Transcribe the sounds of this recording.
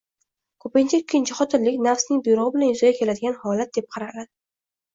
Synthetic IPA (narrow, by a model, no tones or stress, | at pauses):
kʰɵpɪnt͡ʃʰaɪkʲʰːɪnt͡ʃʰɪχɒt̪ʰɪnlɪkʲnafsnɪŋbʊjɾʊʁɨbɪlanjʊzaɡʲakʲʰe̞lad̪ɪɡʲanhɒlat̪̚d̪e̞p̚qʰɑɾaɾad̪ɪ